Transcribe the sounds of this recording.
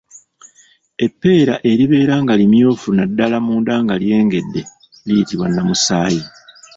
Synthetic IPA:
e̞pːe̞ːɾaʔe̞ɾiβe̞ːɾaŋɡalimjoːfunadːalamuːndaŋɡalje̞ːŋɡe̞dːe̞ | lijitiβwanːamusaːji

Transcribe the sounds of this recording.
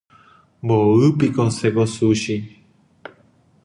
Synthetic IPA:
boɨpikosekosuɕi

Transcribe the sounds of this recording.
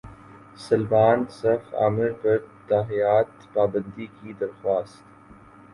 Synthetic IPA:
sɐlbaːnsɐfa̰ːmɪɾpɐɾt̪aːɦijaːt̪paːbə̃nd̪ikid̪ɐɾxwaːst̪

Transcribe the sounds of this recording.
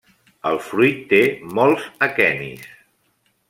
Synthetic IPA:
əlˠfɾujt̪ːemolˠzəkɛmḭs

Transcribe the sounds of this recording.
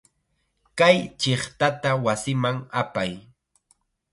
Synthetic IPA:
kajt͡ʃɪχt̪at̪awasɪmaŋapaj

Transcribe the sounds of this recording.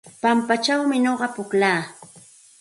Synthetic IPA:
pampat͡ʃawmɪɲoɢɑpʊklaː

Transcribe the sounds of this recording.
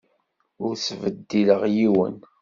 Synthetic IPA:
ʊɾsvəd̪ːiləʁjiwə̰n

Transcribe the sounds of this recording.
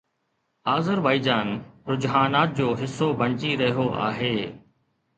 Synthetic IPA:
aːzəɾbaːid͡ʑaːnɾʊd͡ʑɦaːnaːt̪̚d͡ʑoːɦɪsːobʱɐ̃nt͡ɕiɾɐɦijoʔa̰ːɦeː

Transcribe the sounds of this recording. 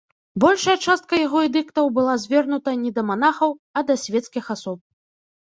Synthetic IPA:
bɔlʲʂɐjɐt͡ʂast̪̚kɐjaɣɔɛd̪ɨkt̪ɐwbɨlˠazʲvʲɛrnut̪ɐnʲɛd̪ɐmanaxɐwɐd̪ɐsʲvʲɛt̪skʲixasɔp̚

